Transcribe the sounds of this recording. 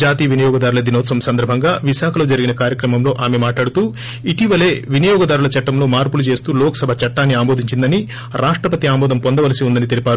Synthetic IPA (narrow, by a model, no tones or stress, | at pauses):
d͡ʒaːt̪iːʋinɐjɔːɡɐd̪aːɾulɐd̪inoːt̪sɐmsɐnd̪ɐɾbʱɐŋɡaːʋiʃaːkʰɐlo̞ːd͡ʒɐɾiɡinɐkaːɾjɐkɾɐmɐmlo̞ːʔaːmemaːʈlaːɽut̪uː | iʈiʋɐle̞ːʋinɐjɔːɡɐd̪aːɾulɐt͡ʃɐʈːɐmlo̞ːmaːɾpulut͡ʃeːst̪uːlɔːkɐ̥sɐbʱɐt͡ʃɐʈːaːnːiaːmoːd̪iɲt͡ʃind̪ɐni | ɾʔaːʂʈɾɐpɐt̪iaːmbɔːd̪ɐmpond̪ɐʋɐlɐsiund̪ɐnit̪elipaːɾu